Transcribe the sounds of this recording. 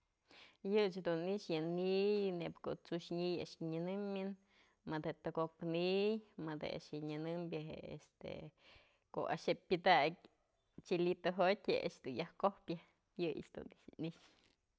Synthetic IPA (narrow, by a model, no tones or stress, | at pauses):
jɨt͡ʃhd̪uniʃjɨnijnepkoʔt͡suʃɲija̰ʔʃɲɨnɨmɨn | mɨd̪heʔt̪ɨɡoknijmɨd̪hḛʔa̰ʃjɨɲɨnɨmbʲjɨɦḛḛst̪ḛ | ko̰a̰ʃhepʲɨd̪ak̚ʲ | t͡ʃilit̪ɨɦot̪ʲheʔa̰ʂd̪unjahkohpja | jɨjɨ̰t͡ʃd̪ṵniniʃ